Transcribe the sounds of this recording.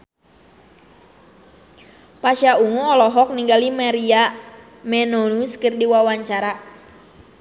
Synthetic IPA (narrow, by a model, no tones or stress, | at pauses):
paʃauŋuɔlɔɦɔk̚niŋɡalimaɾia | mɛnonuskɨrdiwawaɲt͡ʃaɾa